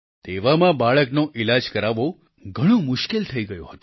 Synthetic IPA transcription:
t̪eʋamãbaɭəknoʔilad͡ʒkəɾaʋo | ɡʱəɽ̃õmʊʃkelt̪ʰəiɡəjõɦət̪o̥

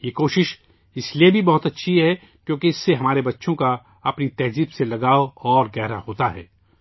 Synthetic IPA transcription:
jeːkoːʃɪʃ | ɪsliebʱibɐɦʊt̪ɐtːʃʰiɦɛ | kjõːkiɪsːeɦɐmaːɾebɐtːʃʰõka | ɐpnit̪ɛːziːbselɐɡaːoɔːɾɡɛɦɾahoːt̪aɦɛ̰ː

